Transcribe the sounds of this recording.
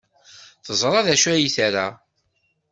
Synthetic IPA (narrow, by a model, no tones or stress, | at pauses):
θəzˤɾˤɑðæʃæjiθæɾa